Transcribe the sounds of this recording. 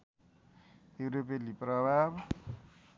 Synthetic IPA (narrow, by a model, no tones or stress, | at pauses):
jewɾopeliprʌbʱab